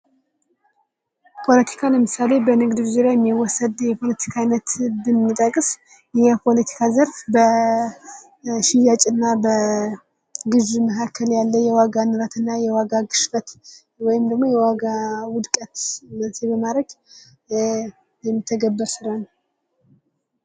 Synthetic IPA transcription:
pʰo̞lət̪ʰi̥kʰaləmɨsale̞bənɨɡd̪ɨvzuɾajɛmːiwɔsəd̪jɛpʰo̞lət̪ʰi̥kʰajnət̪bəmːit̪ʼəkʼɨs | jɛpʰo̞lət̪ʰi̥kʰazəɾfbə | ʃɪjat͡ʃʼɨnːabə | ɡɨd͡ʒuməkakʰːəljalːəjɛwaɡanɨɾat̪ɨnːajɛwaɡaɡɨʃfət̪ | wɔjɪmd̪əɡmojɛwaɡawʊd̪kʼət̪mənsʰebəmaɾəɡ | jɛmːɨt̪ʰːəɡəbːəɾsɨɾan

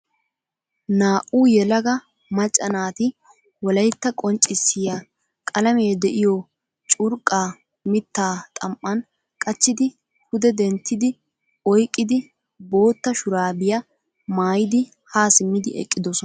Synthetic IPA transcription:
naːʔuːjɛlɐɡɐ | mɐt͡ʃʼːɐnaːt̪ɪ | wɔlɐjt̪ːɐkʼɔnt͡ʃʼːɪsːɪja | kʼɐlɐmeːd̪ɛʔɪjɔ | t͡ʃʼʊɾkʼaː | mɪt̪ːaːt̪ʼɐmʔːɐn | kʼɐt͡ʃːɪd̪ɪ | hʊd̪ɛd̪ɛnt̪ːɪd̪ɪ | ɔjkʼːɪd̪ɪ | bo̞ːt̪ːɐʃʊɾaːbɪjɐ | maːjɪd̪ɪ | haːsɪmːɪd̪ɪɛ̰kʼːɪd̪ɔsɔ

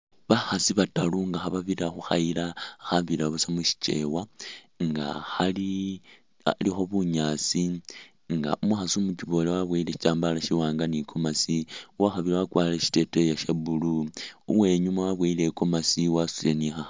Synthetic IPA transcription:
βaxasiβataluŋɡaxaβaβiɾaxuxa̰ilaxaβiɾaβusamuʃi̥t͡ʃe̞̰wa | ŋɡa̰xali | a̰lixo̞βuɲaːt͡si | ŋɡa̰ʔumuxasumut͡ʃiβo̞lewaβweileʃi̥t͡ʃaːmbalaʃiwaːŋɡanikʰo̞masiuwaxaβilawakwaːleʃi̥te̞tejaʃabuluuwe̞ːɲumawaβweileko̞masiwasulenixa

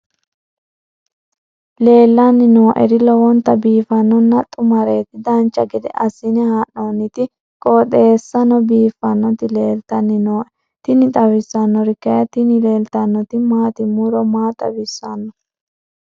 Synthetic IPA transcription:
le̞ːlːɐnːɪnoːʔɛ̰ɾɪlɔwɔnt̪ːɐbiːfɐnːɔnːɐt̪ʼːʊmɐɾe̞ːt̪ɪd̪ɐnt͡ʃːɐɡɛd̪ɛ̰ʔɐsɪnɛhaːnːonɪt̪ɪ | kʼɔːt̪ʼeːsːɐnɔbiːfːɐnːɔt̪ɪle̞ːlt̪ɐnːɪnoː | t̪ɪnɪt̪ʼɐwɪsːɐnːɔɾɪkːɐjɐt̪ɪnɪleːlt̪ɐnːɔt̪ɪmaːt̪ɪmuɾɔmaːt̪ʼːɐ̰bɪsːɐnːɔ

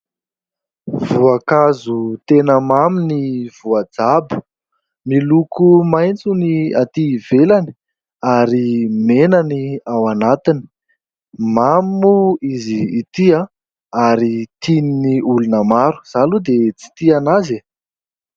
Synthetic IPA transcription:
v̥uakazut̪enəmaminiv̥uad͡zabu̥ | milukumajnt͡suniat̪iv̥elani̥ | aɾimenaniawanat̪ini̥ | mamuiziːt̪ia | aɾit̪ininiulunəmaɾu̥z̥alud̪et͡si̥t̪ianaze

